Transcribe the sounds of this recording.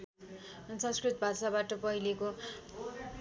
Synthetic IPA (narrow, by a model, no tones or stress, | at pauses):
nsʌ̃nskrit̪̚bʱasabaʈʌpʌɦileko